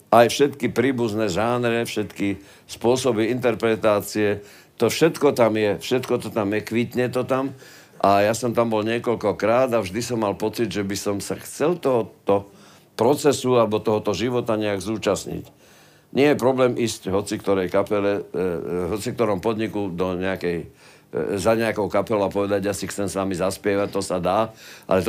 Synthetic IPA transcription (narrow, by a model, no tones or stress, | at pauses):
ajfʃɛt̪kipɾiːbuznɛʒaːnɾɛfʃɛt̪ki | spʊɔsɔbiint̪ɛɾpɾɛt̪aːt͡siɛ | t̪ɔfʃɛt̪kɔt̪amjɛfʃɛt̪kɔt̪ɔt̪amjɛkʋit̪ɲɛt̪ɔt̪am | ʔajasɔmt̪ambɔlɲɪɛkɔʎkɔkɾaːd̪avʒd̪isɔmːalpɔt͡siɟʒɛbisɔmsaxt͡sɛlt̪ɔɦɔt̪ɔ | pɾɔt͡sɛsualɛbɔt̪ɔɦɔt̪ɔʒiʋɔt̪aɲɛaɡzuːt͡ʃasɲḭc | ɲɪɛjɛpɾɔblɛːmʔiːscɦɔt͡sikt̪ɔɾɛjkapɛlɛ | ɦɔt͡sikt̪ɔɾɔmpɔd̪ɲikud̪ɔɲɛakɛj | zaɲɛakɔʊkapɛlapɔʋɛd̪aɟjasixt͡sɛmsʋamizaspɪɛʋac̚t̪ɔsad̪aːʔa̰lɛt̪